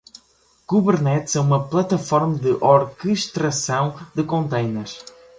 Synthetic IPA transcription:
ɡuβɨɾnɛt̪z̥ɛumɐplˠɐt̪ɐfɔɾmɐd̪ɨʔɔɾkɨʃt̪ɾɐsɐ̃w̃d̪ɨkõnt̪ɐjnɐʃ

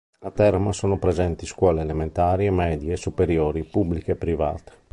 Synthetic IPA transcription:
at̪ɛɾmasoːnopɾezɛnt̪iskwɔːleːlement̪aːɾiemɛːd̪jːsupeɾjɔːɾipubːlikɛpːɾiva̰ːt̪e̥

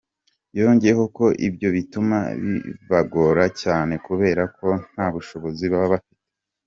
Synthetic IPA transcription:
joːɲɟeeɦo̞ko̞ʔibjo̞βituma̰βḭβaɡo̞ɾacaːne̞kuβe̞ːɾako̞n̥aːβuʃo̞βo̞ziβaβaβafi̥te̥

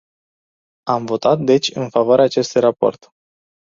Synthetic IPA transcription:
amvo̞t̪at̪̚d̪e̞t͡ʃʲɨnfavoaɾeaːt͡ʃe̞st̪ujrapo̰rt̪

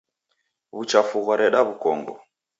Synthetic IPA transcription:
βut͡ʃafuɣɔɾɛɗaβukɔ̰ŋɡɔ

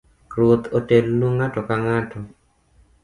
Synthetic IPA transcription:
ɾwot̪otelnuŋatɔkaŋatʰɔ

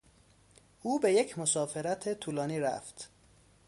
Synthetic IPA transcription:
ʔuːbe̞je̞kcʰmosɒːfeɾæt̪ʰet̪ʰuːlɒːniːɾæ̰ft̪

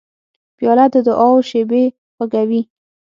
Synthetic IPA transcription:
b̥jɑlad̪d̪əʔɑwʃebe | xəɡawi

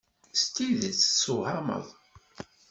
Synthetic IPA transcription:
st̪iðət͡sːsuʕɑmə̰ðˤ

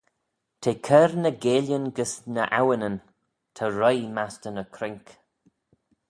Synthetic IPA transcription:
t̪ʰeːkʰəɾnəɡeːljənɡəsnəʔawənən | t̪ʰəɾɔjmastənəkʰɾɪŋk

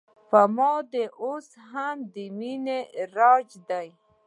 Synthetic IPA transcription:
pamɔd̪eʔos | ɦamd̪imineɾad͡ʒd̪aj

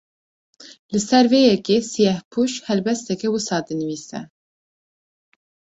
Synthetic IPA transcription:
lɨsɛɾveːjɛkeːsijɛhpʰuʃhɛlbɛst̪ɛkɛwɨsɑːd̪ɨnɨwiːsɛ̰

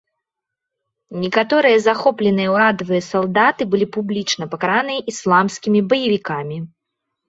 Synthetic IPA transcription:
nʲikat̪ɔɾɨjɐzaxɔplʲɛnɨjɐwad̪ɐvɨjɐsalˠd̪at̪ɨbɨlʲipublʲit͡ʂnɐpɐkaɾanɨjɐʔislˠamskʲimʲibɐjɐvʲikamʲi

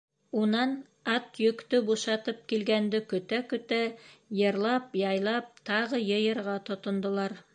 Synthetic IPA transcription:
unɑn | ɑt̪jɵ̆kt̪ɵbuʃɑt̪ɤp̚kilɡænd̪ɘkɵ̆t̪ækɵ̆t̪æjɤ̆ɾlˠɑpjɑjlˠɑp̚t̪ʰɑʁɤjɤjɤ̆ɾʁɑt̪ŏt̪ŏnd̪ŏlˠɑɾ

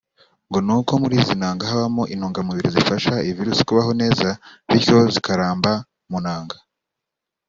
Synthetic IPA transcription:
ŋɡo̞nuko̞muɾiːzinaːŋɡahaβamoʔinuːŋɡamuβiɾizifaʃaiviɾusi̥kuβaɦo̞ne̞ːzaβiɾço̞zikaɾaːmba | munaːŋɡḁ

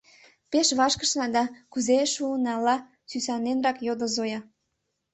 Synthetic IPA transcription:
peʃβɑʃkəʃnɑd̪ɑkuzeʃuənɑlɑ | sysɑnenrɑkjod̪əzojɑ

